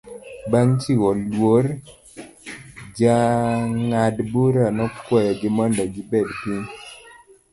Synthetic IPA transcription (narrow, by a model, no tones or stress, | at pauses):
baŋt͡ʃiwɔlwoɾ | d͡ʒaŋadbuɾanɔkwɔjɔɡɪmɔndɔɡɪbɛdpiɲ